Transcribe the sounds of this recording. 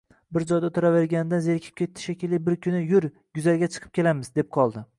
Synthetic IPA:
bɪɾd͡ʒɒjd̪at̪ʰʊɾave̞ɾɡʲanɪd̪azeɾkʲʰɪ̥p̚kʲʰe̞t̪ʰːɪ̥ʃakʲɪlɪbɪɾkʲʰʊnɪjʊɾ | ɡʊzalɡʲat͡ʃʰɨ̥qʰɨp̚kʲʰe̞lamɪzd̪e̞p̚qʰɒlˠd̪ɪ

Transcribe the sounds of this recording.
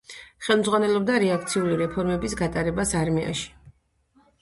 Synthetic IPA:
χɛlˠmdzʁwanɛlˠɔb̚d̪aɾɛak̚ʰt̪sʰiuliɾɛpʰɔɾmɛbisɡat̪ʼaɾɛbasaɾmia̰ʃi̥

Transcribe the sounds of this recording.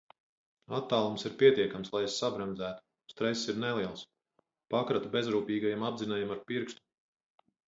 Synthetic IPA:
at̪ːaːlˠumsiɾpʲiɛt̪iɛkamslˠajsːabɾɛmdzæːt̪u̥ | st̪ɾɛsːiɾnelˠiɛlˠs | pakɾat̪ubʲezɾuːpʲiːɡajamabzinajɛmaɾpiɾkst̪u̥

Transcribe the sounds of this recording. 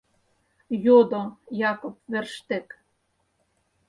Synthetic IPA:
jod̪ojɑkopverʃt̪ek

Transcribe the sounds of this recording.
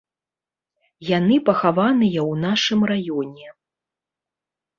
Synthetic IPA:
janɨpɐxavanɨjɐwnaʂɨmrajɔnʲɛ

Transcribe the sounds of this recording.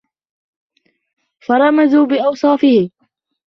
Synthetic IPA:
fɑɾˤɑmazuːbɪʔɑwsˤɑːfɪhɪ

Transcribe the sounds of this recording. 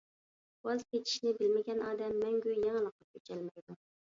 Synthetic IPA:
ɑzk̪ʲet͡ʃʰi̥ʃnɪbɪlmɪɡʲɛnɑːd̪ɛmːɛŋɡʲyjɛŋəlˠəqːɑkʲʰøt͡ʃʰɛlmɪd̪u

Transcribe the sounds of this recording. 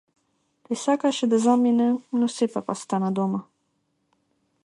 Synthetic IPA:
t̪isakaʃed̪əzɑminənusepapa̰st̪anad̪oma

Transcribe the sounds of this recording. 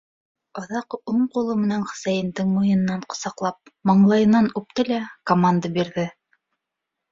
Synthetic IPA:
ɑ̆ðɑquɴqulˠɤmɘ̆nænχɘ̥̆sæjɘ̆nd̪ɘŋmŭjɤ̆nɤ̆nːɑɴqŏsɑqlˠɑp̚mɑɴlˠɑjɤ̆nːɑnʉp̚t̪ɘlækomand̪abiɾðɘ

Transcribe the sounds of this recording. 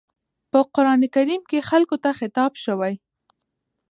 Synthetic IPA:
pəqʊɾɑnekaɾimkexalkot̪axɪt̪ɑbʃəwaj

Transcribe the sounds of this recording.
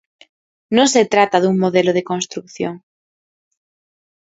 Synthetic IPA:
nõset̪ɾat̪aðuŋmoðeloð̞ekonst̪ɾukθjoŋ

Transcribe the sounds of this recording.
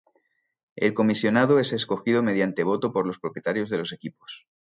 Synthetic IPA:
e̞lko̞misjo̞nað̞oe̞se̞sko̞xiðo̞me̞ð̞jant̪e̞β̞o̞t̪o̞po̞ɾlo̞spɾo̞pjet̪aɾjo̞zðe̞lo̞se̞kipo̥s

